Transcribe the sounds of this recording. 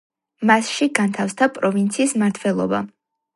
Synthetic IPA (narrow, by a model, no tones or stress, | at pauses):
masʃiɡant̪ʰafsd̪apʼɾɔvint̪sʰiːsmaɾt̪ʰvɛlˠɔ̰ba̰